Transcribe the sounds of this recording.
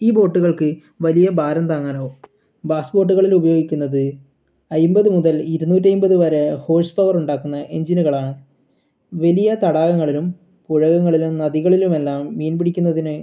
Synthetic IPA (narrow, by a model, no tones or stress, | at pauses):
iːbo̞ːʈːuɣɐɭkɨ | ʋɐlijɐbʱaːɾɐnd̪aːŋːaːno̞ | baːsbo̞ːʈ̬ːuɣɐɭilubɐjo̞ːɡikʲːunːɐðɨ | ɐjmbɐðɨmuðɐliɾunuːtːɐjumbɐðɨʋɐɾeho̞ːspɐʋɐruɳɖaːkːunːɐʔe̞ɲd͡ʑinuɣɐɭaːɳɨ | ʋɐlijɐt̪ɐɽaːɣɐŋːɐɭilum | puɻɐɣɐŋːɐɭilumnɐðiɣɐɭilume̞lːaːmːiːnbiɽikʲːunːɐðinɨ